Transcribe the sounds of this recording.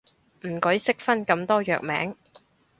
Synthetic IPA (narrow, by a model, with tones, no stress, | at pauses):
m̩˨˩kɵ˨˥jsɪ˥k̚fɐ˥nkɐ˧˥mt̪ɔː˥jœ̰ː˨k̚mɛː˨˥ŋ